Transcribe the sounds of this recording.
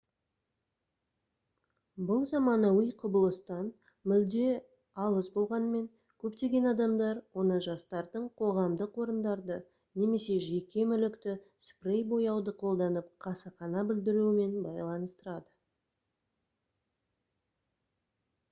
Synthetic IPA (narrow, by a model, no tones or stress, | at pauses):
bʊlˠzɑmɑnɑwəjqʰʊbəlˠəst̪ɑn | mʏld̪e̞ | ɑlˠəzbo̞lˠʁɑnme̞ŋ | kʲʰɵpt̪e̞ɡʲenɑd̪ɑmd̪ɑɾwo̞nəʒɑst̪ɑɾd̪əɴqʰo̞ʁɑmd̪əqwo̞ɾənd̪ɑɾd̪ə | ne̞me̞se̞ʒe̞kʲe̞mʏlɪkt̪ɪ | sprejbo̞jɑwd̪əqʰo̞lˠd̪ɑnəp̚qʰɑsɑχɑnɑbɪld̪ɪɾuɪme̞nbɑjlˠɑnəst̪əɾɑd̪ə